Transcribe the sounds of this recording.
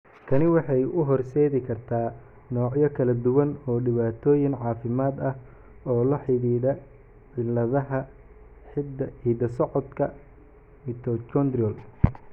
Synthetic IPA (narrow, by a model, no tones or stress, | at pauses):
kʰɐnɪwɑħɑjʔʊɦɔrsɛːðɪkʰɐrt̪ʰaː | nɔːʕjɐkʰɐlɐd̪ʊwɐnɔːɖɪβaːt̪ʰɔːjɪnʕɑːfɪmaːd̪ɐh | ɔːlɐħɪðiːðɐ | ʕɪlɐðɐɦɐ | ɪd̪ħiːd̪ɐsɔʕɔd̪kʰɐ | mɪt̪ʰɔt͡ʃɔnd̪ɾɔl